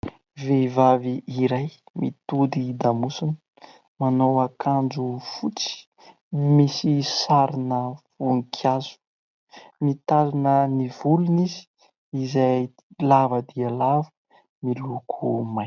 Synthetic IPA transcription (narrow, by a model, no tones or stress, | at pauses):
vevaviʔːɾajmit̪ud̪id̪amusunə | manowakʰand͡ʒufut͡si̥ | misisaɾinəfuŋikʰjazu̥ | mit̪azinənivulunizi̥ː | zaj | lavəd̪ialavə̥ | milukʰumaj